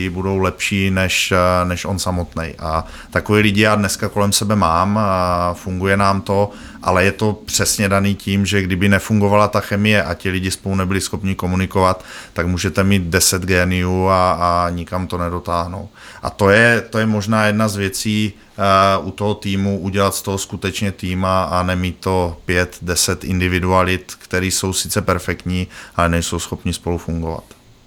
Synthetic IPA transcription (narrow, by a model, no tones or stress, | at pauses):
ɪbudo̞wlɛpʃiːnɛʃnɛʃʔo̞nsamot̪nɛ̰jʔa | t̪akoviːlɪɟɪjaːdnɛskako̞lɛmsɛbɛmaːmfuŋɡujɛnaːmt̪o̞ | ʔa̰lɛjɛt̪o̞pr̥ɛsɲɛdaniːciːmʒɛɡdɪbɪnɛfuŋɡo̞valat̪axɛmɪjɛʔacɪlɪɟɪspolunɛbɪlɪsxo̞pɲɪko̞munɪkovat̪ːaɡmuːʒɛt̪ɛmiːt̪dɛsɛd̪ɡɛːnɪjuːaːɲɪkamt̪o̞nɛdo̞t̪aːɦno̞̰w | ʔa̰t̪o̞jɛt̪o̞jɛmo̞ʒnaːjɛdnazvjɛt͡siː | ʔut̪o̞ɦo̞t̪iːmuʔuɟɛlat̪st̪oɦoskut̪ɛt͡ʃɲɛt̪iːmaanɛmiːt̪ːo̞pjɛt̪dɛsɛt̪ʔɪ̰ndɪvɪdualɪt̪kt̪ɛɾiːso̞wsɪ̥t͡sɛpɛɾfɛkt̪ɲiːʔalɛnɛjso̞wsxo̞pɲɪspo̞lufuŋɡo̞va̰t̪